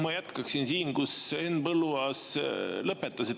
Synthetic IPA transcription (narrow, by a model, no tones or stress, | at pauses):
mɑjæt̪kɑksinsiːnkusenːpɤlːuɑslɤpːˑe̞t̪ːˑɑsi